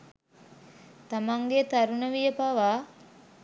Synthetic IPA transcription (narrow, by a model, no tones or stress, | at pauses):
t̪amaŋɡet̪aɾunəʋijəpaʋaː